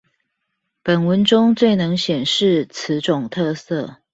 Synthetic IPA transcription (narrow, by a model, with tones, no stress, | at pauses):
pə˨˩nwə˨˥nʈ͡ʂʊ˦ŋt͡swe˥˩ɪnɤ˧˥ŋɕjɛ˨˩nʂɻ̩˥˨t͡s̩ʰ˧˦ʈ͡ʂʊ˨˩ŋt̪ʰɤ˥˧sɤ˥˨